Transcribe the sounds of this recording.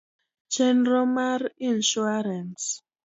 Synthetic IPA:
t͡ʃɛnɾɔmaɾinʃuaɾans

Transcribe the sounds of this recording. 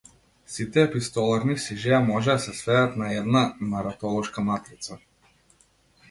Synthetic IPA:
sit̪ɛpist̪ɔlˠaɾnisiʒɛamɔʒɛd̪asɛsvɛat̪naɛd̪namaɾat̪ɔlˠɔʃkamat̪ɾit̪sa

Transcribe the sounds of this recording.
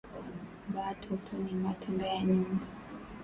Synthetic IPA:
batʰutʰunimatʰuŋɡajaɲuŋɡu

